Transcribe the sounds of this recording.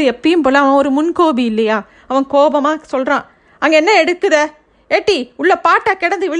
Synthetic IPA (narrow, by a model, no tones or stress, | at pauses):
ɯɛpːɐjɯmpoːlɐːʋãːɔɾɯmʊnkoːbiɪlːɐjaː | ɐʋɐ̃koːbɐmaːsɔlrãː | ɐŋɡɐɛnːɐɛɽɯkːɯðɐ | ɛʈːiʊɭːɐpaːʈːakɪɽɐnd̪ɯʋɪɭ